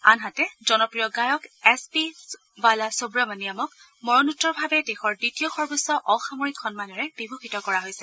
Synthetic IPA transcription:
a̰nɦatɛzɔnɔpɹijɔɡajɔkɛspi | balasobɹamanijamɔk | mɔɹɔnutːɔɹbʱabɛdexɔɹditijɔxɔɹbɔsɔʔɔxamoɹikʰːɔnmanɔɹɛb̥ibʱuxitɔkɔɹaɦojsɛ̥

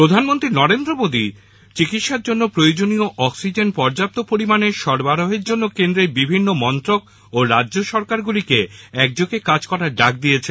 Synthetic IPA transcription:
pɾod̪ʱanmont̪ɾinɔɾend̪ɾomod̪i | t͡ɕikit̪ʃaɾd͡ʑonːopɾojod͡ʑonioʔɔksid͡ʑenpɔɾd͡ʑap̚t̪opoɾimaneʃɔɾbaɾoɦeɾd͡ʑonːokend̪ɾeɾbibʱinːomɔnt̪ɾok̚ | oɾadʑoʃɔɾkaɾɡulikeɛk̚d͡ʑokekad͡ʑkɔɾaɾɖak̚d̪ijet͡ɕʰen

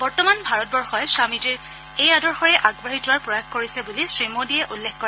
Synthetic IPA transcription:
bɔɹtɔmanbʱaɹɔt̚bɔɹxɔjsamitɛ | ejadɔɹxɔɹɛʔaɡbaɦitʊaɹpɹɔjaxkoɹisɛbulisɹimodijɛʔulːekkɔɹɛ

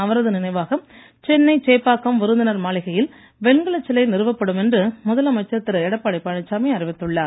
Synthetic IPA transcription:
ɐʋɐɾɐðɯnɪnɐɪʋaːɣɐm | t͡ʃɛnːɐɪt͡ʃeːpːaːkːɐmʋɪɾɯnd̪ɪnɐɾmaːɭɪɣɐjɪl | ʋɛnɡɐɭɐt͡ʃːɪlɐɪnɪɾɯʋɐpːɐɽɯmɛndrɯmʊðɐlɐmɐt͡ʃːɐt̪ːɪɾɐɛɽɐpːaːɽɐɪpːɐɳɐt͡ʃːaːmɐɪɐrɪʋɪt̪ːɯɭːaːɾ

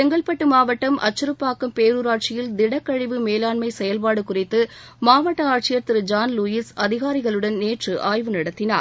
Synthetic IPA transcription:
t̪ɛŋɡɐɭpɐʈːɯmaːʋɐʈːɐmʔɐ̰t͡ʃːɯɾɯpːaːkːɐmpeːɾɯɾaːʈ̚t͡ʃɪjɪld̪ɪɽɐkːɐɻɪʋɯmeːlaːɳmɐɪsɛjɐlpaːɽɯkʊrɪt̪ːɯ | maːʋɐʈːɐaːʈ̚t͡ʃɪjɐɾt̪ɪɾɯd͡ʒaːnlʊjisɐðɪɣaːɾɪɣɐɭɯɽɐnneːʈrɯʔaːjʋɯnɪɽɐt̪ːɪnaːɾ

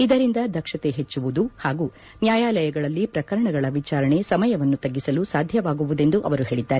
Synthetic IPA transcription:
id̪ɐɾind̪ɐd̪ɐkʂɐt̪e̞ɦet͡ʃːuʋud̪uhaːɡu | njaːjaːlɐjɐɡɐɭɐlːipɾɐkɐɾɐɳɐɡɐɭɐʋit͡ʃaːɾɐɳe̞sɐmɐjɐʋɐnːut̪ɐɡːisɐlusaːd̪ʱjɐʋaːɡuʋud̪e̞nd̪uʔɐ̰ʋɐɾuɦe̞ːɭid̪ːaːɾe

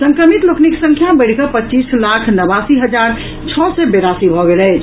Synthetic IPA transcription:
səŋkɾəmit̪lokniksə̃ŋkʰjabəɪɽ̤kəpət͡ʃislakʰnəbasiɦəd͡ʒaɾ | t͡ʃʰɔsɛbeɾasibʱɔɡelɛt͡ʃʰ

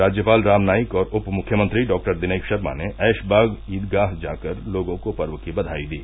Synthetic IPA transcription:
aːd͡ʒjəpaːlɾaːmnaːjɪkɔːɾʊpmʊkʰːjəmə̃nt̪ɾiɖɔːk̚ʈəɾd̪ɪneːkʃɐɾmã̰neʔɛːʃbaːɡiːd̪ɡaːɦd͡ʒaːkəɾloːɡõkopɐɾʋəkibɐd̪ʱaːid̪iː

